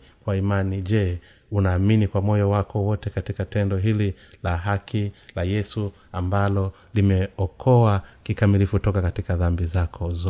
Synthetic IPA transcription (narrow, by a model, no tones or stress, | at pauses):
kwaimaniʄɛ | unaːminikwamɔjɔwakʰɔwɔtɛkatikatɛndɔɦililaɦakʰilajɛsu | ambalɔ | limɛɔkʰɔwakikamilifutɔkakatikaðambizakʰɔzɔ